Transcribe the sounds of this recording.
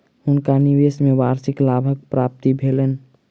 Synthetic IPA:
hunkaniʋesmebaɾsiklabʱək̚pɾap̚t̪ibʱelen

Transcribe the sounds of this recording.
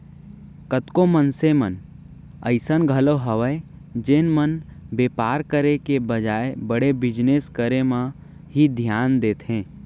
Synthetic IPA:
kət̪komənsemə̰n | ə̰ɪsənɡʱəloɦəʋə | d͡ʒeːnmənbeːpaːɾkəɾekebəd͡ʒaːebəɽebɪd͡ʒneskəɾemã | ɦid̪ʱjaːnd̪eːt̪ʰɦẽː

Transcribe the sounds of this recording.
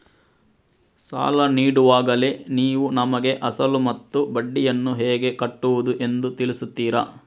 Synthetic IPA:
sa̰ːlɐniːɽuʋaːɡɐle̞niːʋunɐmɐɡe̞ʔɐsɐlumɐt̪ːubɐɖːijɐnːuɦɛːɡe̞kɐʈːuʋud̪uʔe̞nd̪ut̪ilisut̪ːiːɾɐ

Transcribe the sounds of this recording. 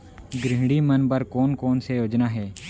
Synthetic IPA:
ɡɾɪɦɽiːmənbəɾkoːnkoːnsejoːd͡ʒnaːɦɛː

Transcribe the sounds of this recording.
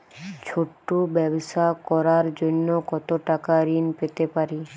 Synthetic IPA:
t͡ɕʰoʈːobɛboʃakɔɾaɾd͡ʑonːokɔt̪oʈakaɾinpet̪epaɾi

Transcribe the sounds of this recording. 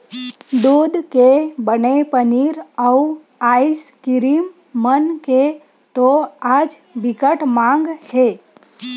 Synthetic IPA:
d̪uːd̪kebənepəniːɾəu | aiskɪɾimː | ənke | t̪oaːd͡ʒ | bʱɪkəʈmãŋɡhe

